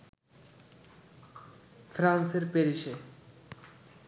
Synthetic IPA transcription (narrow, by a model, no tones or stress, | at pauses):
fʰɾanseɾpeɾiʃe